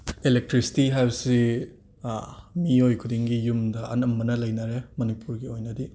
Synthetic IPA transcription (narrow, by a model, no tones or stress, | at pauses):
elek̚tɾisi̥tiɦajbɐsi | miojkʰudiŋɡijumdɐʔɐnɐmːɐnɐlɐjnaɾemɐnipuɾɡiojnɐdi